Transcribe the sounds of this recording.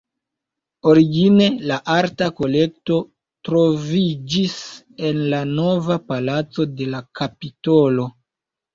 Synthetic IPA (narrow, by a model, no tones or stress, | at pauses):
o̞ɾiɡine̞laʔaɾtako̞le̞k̚to̞ | tɾo̞vid͡ʒis | e̞nlano̞vapalat͡so̞de̞lakapito̞lo̞